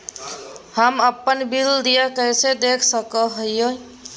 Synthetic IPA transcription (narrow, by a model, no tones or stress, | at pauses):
həməpːənbild̪ijakəjsed̪ekʰsəkəɦojjo